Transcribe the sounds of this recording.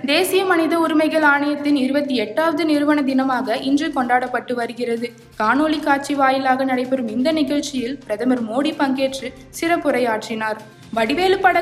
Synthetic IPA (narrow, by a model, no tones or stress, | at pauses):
d̪eːsɪjɐmɐnɪðɐʊɾɯmɐɪɣɐɭaːɳɐjɐt̪ːɪnɪɾɯbɐt̪ːiɛʈːaːʋɐðɯnɪɾɯʋɐɳɐd̪ɪnɐmaːɣɐʔɪndrɯkɔɳɖaːɽɐpːɐʈːɯʋɐɾɯɣɪrɐðɯ | kaːnoːlikːaːt͡ʃiʋaːjɪlaːɣɐnɐɽɐɪpːɛɾɯmɪnd̪ɐnɪɣɐɭt͡ʃɪjɪlpɪɾɐðɐmɐɾmoːɽipɐŋɡeːʈrɯ | sɪɾɐpːɯɾɐɪaːʈrɪnaːɾ | ʋɐɽɪʋeːlɯpːɐɽɐ